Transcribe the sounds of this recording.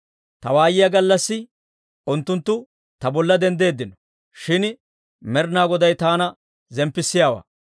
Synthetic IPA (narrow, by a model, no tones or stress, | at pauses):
t̪ɐwaːjɪjɐɡɐlːɐsːɪ | ʊnt̪ːʊnt̪ːʊ | t̪ɐbɔlːɐd̪ɛnd̪e̞ːd̪ːɪnɔ | ʃɪn | mɛɾnaːɡɔd̪ɐjt̪aːnɐ | zɛmpːɪsːɪjaːwa̰ː